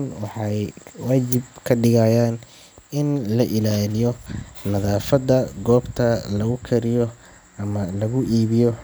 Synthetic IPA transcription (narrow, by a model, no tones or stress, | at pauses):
nwɑħɑjwaːt͡ʃɪb̚kʰɐɖɪɣajaːn | ɪnlɐʔɪlaːlɪjɔnɐðaːfɐd̪ɐɡɔːbt̪ʰɐlɐɣʊkʰɐɾɪjɔ | ɐmɐlɐɣʊʔiːβɪjɔ